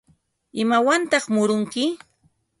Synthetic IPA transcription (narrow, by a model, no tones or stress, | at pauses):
ɪmawant̪ɑχmʊɾʊŋkɪ